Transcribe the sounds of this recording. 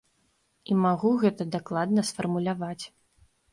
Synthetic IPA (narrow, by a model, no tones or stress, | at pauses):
imaɣuɣɛt̪ɐd̪aklˠad̪nɐsfɐrmulʲavat͡sʲ